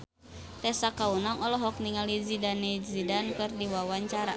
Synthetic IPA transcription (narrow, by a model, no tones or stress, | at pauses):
t̪ɛsakaunaŋɔlɔɦɔk̚niŋalizidanɛzidankɨrdiwawaɲt͡ʃaɾa